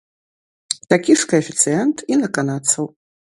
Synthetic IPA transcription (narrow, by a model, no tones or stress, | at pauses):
tʰʼakʲʼiʂkʰaefʲit͡sʰɨjentʼinakʼanat͡sʰow